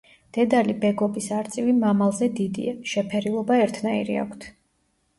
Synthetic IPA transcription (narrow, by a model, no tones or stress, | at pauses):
d̪̥ɛd̪alibɛɡɔbisaɾt̪sʼivimamalˠzɛd̪id̪ḭaʃɛpʰɛɾilˠɔbaɛɾt̪ʰnaḭɾḭa̰kʷʰt̪ʰ